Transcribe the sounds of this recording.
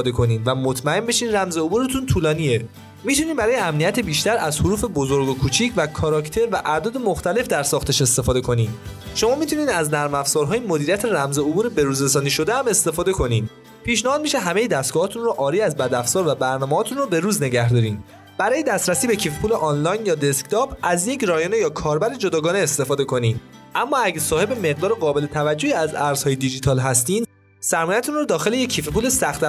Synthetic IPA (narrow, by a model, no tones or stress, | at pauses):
fːd̪ekʰo̞niːd̪væmot̪ʰmæe̞mbe̞ʃiːnræmzeobuɾet̪ʰunt̪ʰuːlɒːnie | mit̪ʰuniːnbæɾɒːjeæmnijæt̪ʰe̞biːʃt̪æɾæzhoɾuːfe̞bozoɾɡokʰuːt͡ʃʰiːcʰvækʰɒːɾɒkʰt̪ʰe̞ɾvæʔæd̪ɒːd̪e̞moxt̪æle̞fd̪æɾsɒːxt̪ʰe̞ʃe̞st̪e̞fɒːd̪e̞kʰo̞niːd̪ | ʃo̞mɒːmit̪ʰuniːd̪æznæɾmæfz̥ɒːɾɦɒːjemod̪iːɾijæt̪ʰeɾæmzeobuːɾebe̞ɾuːzɾesɒːniʃo̞d̪eæme̞st̪e̞fɒːd̪e̞kʰo̞nid̪ | pʰiːʃnæhɒːd̪miːʃeɦæme̞jed̪æst̪ɡ̥ɔːhɒːt̪ʰunrɔʔɒːɾiːæzbæd̪æfz̥ɒːɾvæbæɾnɒːmeɒːt̪ʰunrɔbe̞ɾuːzne̞ɟæhd̪ɒːɾiːn | b̥æɾɒːjed̪æst̪ɾæsiːbe̞cʰifepuːleʔɒnlɒːjnjɒːd̪e̞skt̪ʰɒbæzjecɾɒjoːne̞jɒːkʰɒːɾbæɾe̞d͡ʒo̞d̪ɒːɡɒːneːst̪e̞fɒːd̪e̞kʰo̞niːn | æmːɒːæɟæsɒːhe̞be̞me̞ɣ̚d̪ɒːɾeɣɒːbe̞le̞t̪ʰævæd͡ʒːoiːæzæɾz̥hɒːjed̪id͡ʒit̪ʰɒːlɦæst̪iːn | sæɾmɔːjæt̪ʰunrɔd̪ɒːxe̞leje̞kʰːiːfepʰuːlesæxt̪æ